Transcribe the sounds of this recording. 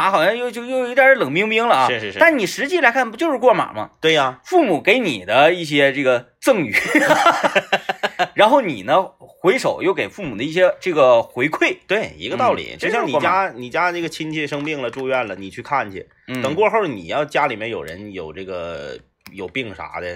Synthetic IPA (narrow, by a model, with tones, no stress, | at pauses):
a˧˥xɑ˨˩ʊɕjɑ˥˧ŋjo˥˧ʊt͡ɕjo˥˧ʊjo˥˩ʊi˧˥t̪ja˥˧˥lɤ˨˩ŋpi˥ŋpi˥ŋlə˨˧˥ʂɻ̩˥˧t̪a˥˩nni˨˩ʂɻ̩˧˥t͡ɕi˥la˧˥kʰa˥˩npu˧˥t͡ɕjo˥˧ʊʂɻ̩˥˧kwɔ˥˩ma̰˨˩mɐ̰˦t̪we˥˩ɪɐ˩fu˥˩mu˨˩ke˧˥ɪni˨˩d̪ə˦i˥˩ɕ̬jɛ˥ʈ͡ʂɤ˥˩ɡə˩ | t͡sɤ˥˩ŋy̰˨˩˦ | ɻa˧˥nxo˥˩ʊnḭ˨˩nə˦xwe˧˥ɪʂo˨˩ʊjo˥˩ʊke˨˩ɪfu˥˩mu˨˩d̪ə˦i˥˩ɕjɛ˥ʈ͡ʂɤ˥˩ɡə˩xwe˧˥ɪkʰwe˥˩ɪt̪we˥˩ɪḭ˧˥ɡə˧t̪ɑ˥˩ʊlḭ˨˩t͡ɕjʊɕjɑ˥˧ŋni˥˧t͡ɕja˥ni˨˩t͡ɕja˥ʈ͡ʂɤ˥˩ɡə˩t͡ɕʰi˥nt͡ɕʰjɛ˥˩ʂɤ˥ŋpi˥˩ŋlə˩ʈ͡ʂu˥˧ɥɛ˥˩nlə˩ni˨˩t͡ɕʰy˥˧kʰa˥˩nt͡ɕʰḭ˨˩˥ | t̪ə˨˩ŋkwɔ˥˧xo˥˩nḭ˨˩jɑ˥˩ʊt͡ɕja˥li˨˩mjɛ˥˧njo˨˩ʊɻə̰˧˥njo˨˩ʊʈ͡ʂɤ˥˩ɡə̰˩ | jo˨˩ʊpi˥˩ŋʂa̰˧˥d̪ə̰˥˧